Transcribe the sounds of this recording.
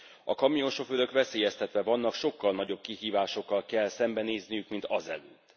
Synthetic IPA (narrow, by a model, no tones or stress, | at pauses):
ɒkɒmijo̞nʃo̞føɾø̞kvɛseːjɛst̪ɛt̪ʋɛvɒnːɒkʃo̞kːɒlnɒɟo̞b̚kiɦiːvaːʃo̞kːɒlkɛlːsɛmbɛneːznijykmint̪ɒzɛ̰løːt̪ː